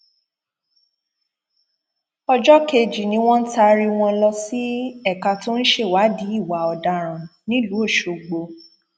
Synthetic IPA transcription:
ɔ˧d͡ʒɔ˦ke˧˨d͡ʒi˨nĩ˧˦w̃ɔ̃˦n̩˦ta˧ɾi˧w̃ɔ̃˧lɔ˧si˦ɛ˦˨ka˧to˦n̩˦ʃe˦˨wa˨˦di˨˦i˦˨wa˨ɔ˨da˧ɾ̃ã˨nĩ˦lu˨˦o˦˨ʃo˨ɡ͡bo˧

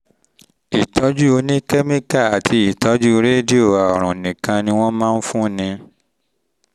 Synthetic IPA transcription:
i˨tʰɔ˨˦d͡ʒu˦o˧nĩ˦kɛ˦mĩ˦ka˦˨a˨tʰi˧˦i˨tɔ˨˦d͡ʒu˦ɾe˦di˦o˦˨a˨ɔ˨ɾ̃ɔ̃˨nĩ˨kã˧nĩ˧w̃ɔ̃˦mã˦˧n̩˦fũ˦nĩ˧

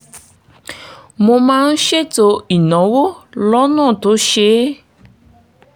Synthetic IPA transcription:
mo˧mãː˦n̩˦ʃe˦to˧i˨nɔ̃˨˦wo˦lɔ˦nã˦˨to˨˦ʃe˨˦

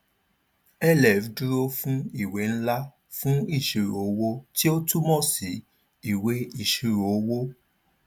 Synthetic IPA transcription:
ɛ˦lɛ˨vdu˦ɾo˧fũ˦i˦˨we˨˦n̩˦la˦ | fũ˦i˦˨ʃi˨ɾo˨˦wo˦ti˦o˦tu˦mɔ̃˦˨si˨ | i˨we˦i˦˨ʃi˨ɾo˨˦wo˦

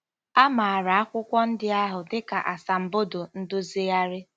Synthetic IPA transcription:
a˦ma˨a˨ɾa˨a˦kʷʊ˦kʷɔ˦n̩˦dɪ˦a˦ɦʊ˨dɪ˦ka˨ʔa˨sa˨m̩˨bo˦do˨n̩˦dʊ˦zi˦a˦ɾɪ˦

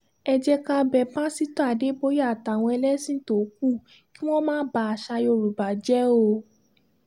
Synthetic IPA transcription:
ɛ˧d͡ʒɛ˧ka˧bɛ˨pã˦si˦to˦a˨de˨˦bo˦ja˦˨ta˨w̃ɔ̃˧ɛ˧lɛ˦sĩ˦to˨˦k̚u˦˨ | ki˦w̃ɔ̃˦mãː˦ba˧a˨ʃa˧jo˧˨ɾu˨ba˨d͡ʒɛ˦o˧

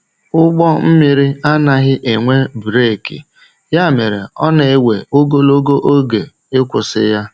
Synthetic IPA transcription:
ʊ˦ɡ͡bɔ˦m̩˦mi˨ɾi˦a˦na˨ɦɪ˦ʔe˨ŋʷe˦bu˨ɾe˦˨kḭ˨ | ja˦˨me˨ɾe˨ɔ˦ne˨e˦˨wḛ˨o˦ɡo˦lo˦ɡo˦ʔo˦ɡe˨ | ɪ˦kʷʊ˨sɪ̰˦ja˦

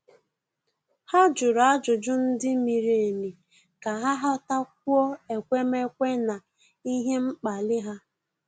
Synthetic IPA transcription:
ha˦d͡ʒʊ˨ɾa˦d͡ʒʊ˨d͡ʒʊ˦n̩˦dɪ˦mi˨ɾe˨e˨ni˨ | ka˨ɦa˦ɦa˦ta˦k̚ʷu˦ɔ˦e˨kʷe˦me˦kʷe˦na˨ | i˦ɦe˦m̩˦k͡pa˨lɪ˦ɦa˦

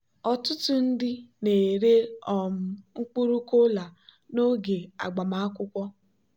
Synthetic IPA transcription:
ɔ˨tʊ˦tʊ˦n̩˦dɪ˦ne˨ɾe˦ɔ˨m̩˦˨ŋ͡m̩˦k͡pu˦ɾu˦ko˦la˨ | no˦ɡe˨a̰˨ɡ͡ba˨ma˦a˦kʷʊ˦kʷɔ˦

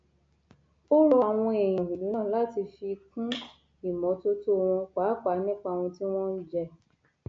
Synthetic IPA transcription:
o˦wɔ˧a˨w̃ɔ̃˧e˨j̃ĩ˨i˨li˨˦nã˦˨la˨˦ti˧fi˧kũ˦ | i˨mɔ̃˨˦to˦to˦˨w̃ɔ̃˧k͡pa˨˦k͡pa˨˧˦nĩ˦k͡pa˧˨w̃ɔ̃˧ti˦w̃ɔ̃˦d͡ʒɛ˧

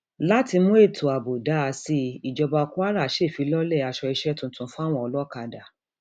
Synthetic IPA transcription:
la˦ti˧mũ˦e˦˨tʰo˨a˨bo˨da˨˦a˧si˦˧i˨d͡ʒɔ˧ba˧ku˦a˦ɾa˦˨˦ʃe˦˨fi˨˦lɔ˦lɛ˦˨a˧ʃɔ˧i˧ʃɛ˦tũ˧˦tũ˧˦fa˦w̃ɔ̃˦˨ɔ˧lɔ˦ka˧˨da˨

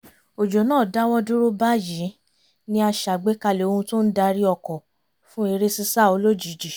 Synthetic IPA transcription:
o˨d͡ʒo˨nãː˦˨da˦wɔ̃˦du˦ɾo˦ba˦jĩ˨˦ | nĩ˦a˧ʃa˨ɡ͡be˨˦ka˧le˨o˧hũ˧to˦n̩˦da˧ɾi˦ɔ˧kɔ˨ | fũ˦e˧ɾe˦si˦sa˦˨o˧lo˦d͡ʒi˨d͡ʒi˨

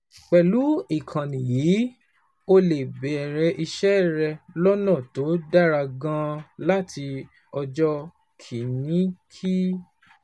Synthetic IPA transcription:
k͡pɛ˨lu˨˦i˦˨kʰã˨nĩ˨ji˨˦ | o˧le˨bɛ˨ɛ˨ɾɛ˧ʔi˧ʃɛ˦ɾɛ˧lɔ˦nã˦˨to˨˦da˦ɾa˧ɡã˧la˦tʰi˧ | ɔ˧d͡ʒɔ˦ | kʰi˨nĩ˨˦kʰi˦

